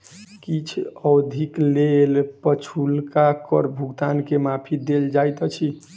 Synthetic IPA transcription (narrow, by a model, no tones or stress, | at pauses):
kit͡ʃʰəwd̪ʱiklelpət͡ʃʰulkakə̰ɾbʱuɡt̪ankemapʰid̪eld͡ʒajt̪ɔt͡ʃʰi